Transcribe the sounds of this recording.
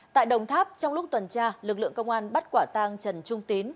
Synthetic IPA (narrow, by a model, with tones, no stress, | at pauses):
t̪a̰ː˧˨jɗə˨˩wŋ͡mt̪ʰaː˦˥p̚t͡ɕɔ˧wŋ͡mlʊ˦˥k͡p̚t̪wə˨˩nt͡ɕaː˧lɨ˨˩k̚lɨ̰˧˨əŋkə˧wŋ͡mʔaː˧nɓa˦˥t̚kwaː˧˩t̪aː˧ŋt͡ɕə˨˩nt͡ɕʊ˧ŋ͡mt̪i˨˦ən